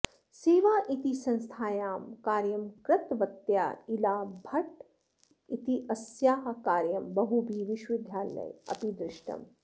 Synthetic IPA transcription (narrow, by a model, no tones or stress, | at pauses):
seːʋaːʔit̪isɐ̃nst̪ʰaːjaːmkaːɾjɐmkɾɐt̪ʋɐt̪ja̰ːilaːbʱɐʈ̚ | it̪iʔɐsjaːɦɐkaːɾjɐmbɐɦubʱiːʋiʃʋid̪ʱjaːlɐ̰jɐ̰pid̪ɾɪʃʈɐ̰m